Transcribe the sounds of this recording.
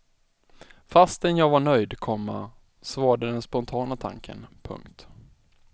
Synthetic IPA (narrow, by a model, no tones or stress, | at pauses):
fast̪ɛnjɑːvaɳœjd̪kʰɔmːa̰ | svɑːaɖəd̪ɛnspɔnt̪ʰɑːnat̪ʰa̰ŋkʰə̰npʰɵ̰ŋkt̪